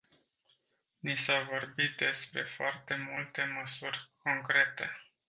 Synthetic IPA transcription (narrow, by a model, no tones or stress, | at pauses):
nisavo̞rbit̪̚d̪e̞spɾe̞̰foart̪e̞mult̪e̞məsurʲko̞ŋkɾe̞t̪e̞̰